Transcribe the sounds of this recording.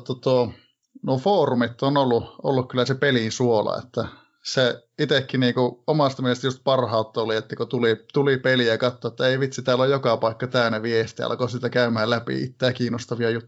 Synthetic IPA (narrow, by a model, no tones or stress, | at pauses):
t̪ːɑt̪uo | nuofoːrumit̪ːonolːuʔo̰lːukkylːˑæsepelinsuolɑ̰ḛt̪ːæ | seit̪ekːiniːŋkuomɑst̪ɑmielest̪just̪̚pɑrhɑut̪ːɑoliet̪ːækut̪ulit̪ulipeliækɑt̪ːoet̪ːæeiʋit̪sit̪æːlːojokɑpɑikːɑt̪æynæʋiest̪iɑ̰lkoːsiːt̪ækæymæhælæpḭḭt̪ːæːkiːnost̪ɑʋiɑjut̪ː